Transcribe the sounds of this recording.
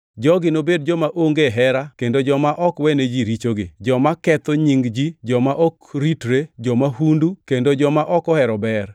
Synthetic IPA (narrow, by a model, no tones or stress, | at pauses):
d͡ʒɔɡɪnobedd͡ʒɔmaʔoŋɡeɦɛɾakendod͡ʒɔmaʔɔkwɛned͡ʒiɾit͡ʃoɡɪ̰d͡ʒɔmakɛt̪oɲiŋɡd͡ʒid͡ʒɔmaʔɔkɾitɾed͡ʒɔmahundukendod͡ʒɔmaʔɔkɔhɛɾɔbɛr